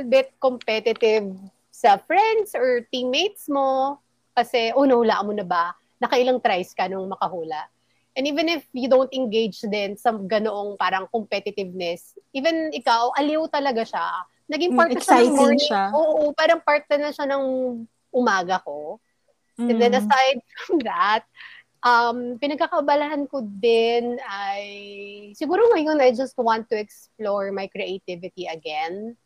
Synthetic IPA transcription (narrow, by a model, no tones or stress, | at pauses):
lbɪt̪̚kompɛt̪ɪt̪ɪv | sɐfɹɛnd̪sɔɹt̪imejt̪̚smo | kɐsɛʔonɐhʊlaʔmonɐbɐ | nɐkɐʔɪlaŋt̪ɾajskɐnoŋmɐkɐhuːlɐʔ | ʔɛ̃niːvɛ̃nɪfjʊd̪ownt̪ɪnɡejd͡ʒd̪ɛnsɐɡɐnoʔoŋpaːɾɐŋkompɛt̪ɪt̪ɪvnɛsʔiːvɛnɪkawʔɐlɪwt̪ɐlɐɡaʃa | nɐɡɪŋpaɹt̪ɐʃamɔɹoːʔʔopaːɾɐŋpaɹt̪̚nɛɹnɐʃanɐŋ | ʔʊmaːɡɐko | ɛ̃nd̪ɛnɐsajd̪̚fɹɔmðɐt̪̚ | ʔɐmpɪnɐɡkakɐːbɐlɐhɐnkod̪ɪnajsɪɡuːɾoŋɐjonajd͡ʒɐst̪̚wãnt̪ːuɛksploɹmajkɾɛʔejt̪ɪvɪt̪iɐɡɛn